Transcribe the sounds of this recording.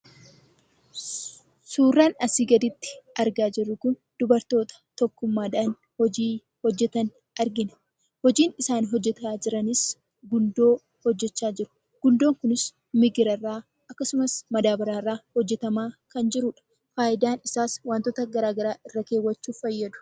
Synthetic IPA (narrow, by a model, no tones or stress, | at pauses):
suːrːaːnɐsiːɡɐd̪ɪt̪ːɪ̥ʔɐɾɡaːd͡ʒɪrːʊkʊn | d̪ʊbɐɾt̪o̞ːt̪ɐ̥t̪ɔkːʊmːaːᶑaːn | hɔd͡ʒiː | hɔd͡ʒːɛt̪ɐn | ɐɾɡɪnɐ̥ | hɔd͡ʒiːnɪsaːnɦɔd͡ʒːɛt̪aːd͡ʒɪɾɐnɪs | ɡʊnd̪o̞ː | hɔd͡ʒːɛt͡ʃːaːd͡ʒɪɾʊ̥ | ɡ̥ʊnd̪o̞ːŋkʊnɪs | mɪɡɪɾɐrːaː | ɐkːɐsʊmɐsmɐd̪aːbɐɾaːrːaːhɔd͡ʒːɛt̪ɐmaːkɐnd͡ʒɪɾʊᶑɐ̥ | faːʔɪd̪aːnɪsaːswaːnt̪oːt̪ɐɡɐɾaːɡɐɾaːʔɪrːɐke̞ːwːɐt͡ʃːuːfɐjːɐd̪ʊ̥